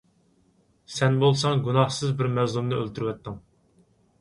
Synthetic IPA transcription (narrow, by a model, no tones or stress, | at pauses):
sɛnbolˠsɑŋɡunɑhsɨzbɪɾmɛzlˠumnɨølt̪ʰyɾwɛt̪ːɪŋ